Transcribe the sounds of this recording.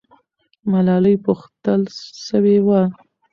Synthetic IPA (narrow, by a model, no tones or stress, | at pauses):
malɑləjpuxt̪əlʃəwewa